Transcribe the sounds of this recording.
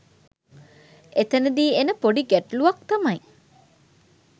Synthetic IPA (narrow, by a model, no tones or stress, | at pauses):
ʔet̪ɐned̪iːenəpoɖiɡæʈluʋɐk̚t̪ɐmɐj